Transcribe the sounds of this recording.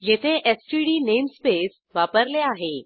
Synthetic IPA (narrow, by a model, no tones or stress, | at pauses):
jet̪ʰẽʔesʈiɽinemspes | ʋapəɾleaɦe